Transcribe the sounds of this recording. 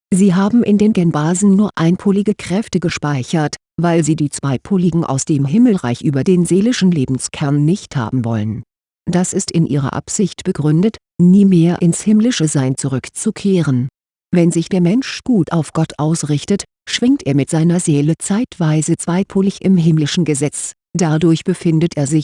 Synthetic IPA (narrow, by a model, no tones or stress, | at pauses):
ziːɦaːbm̩ʔɪndeːnɡɛnbaːzn̩nuːɐʔaɪnpʰʊlɪɡəkʁ̥ɛftəɡəʃpaɪçɐt | vaɪlziːdiːt͡sv̥aɪpʰʊlɪɡŋ̩ʔa̰ʊsd̥eːmɦɪml̩ʁa̰ɪçʔyːbɐdeːnzeːlɪʃn̩leːbm̩skʰɛɐnːɪçtha̰ːbm̩vɔ̰lən | d̥asɪstɪnʔḭːʁɐ̰ʔa̰pz̥ɪçtb̥əɡʁʏndət | niːmeːɐʔɪnshɪmlɪʃəzaɪnt͡suʁʏkt͡sukʰeːʁən | vɛnzɪçd̥eːɐmɛnʃɡ̥uːtaʊfɡ̥ɔtʔaʊsʁɪçtət | ʃv̥ɪŋktʔeːɐmɪtz̥aɪnɐzeːlət͡saɪtv̥aɪzət͡sv̥aɪpʰʊlɪçɪmɦɪmlɪʃn̩ɡəzɛt͡s | d̥adʊɐçb̥əfɪndətʔeːɐzɪç